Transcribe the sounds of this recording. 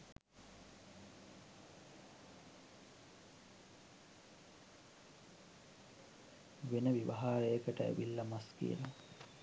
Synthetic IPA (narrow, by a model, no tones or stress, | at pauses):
ʋenəʋiʋaɦaːɾəjəkəʈəḛʋilːɐmaskḭə̰ɾo